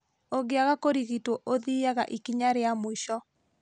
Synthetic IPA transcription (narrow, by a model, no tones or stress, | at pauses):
oɡeaɣakoɾiɣitwɔʔoðiaɣa̰ʔikiɲaɾeamoiʃɔ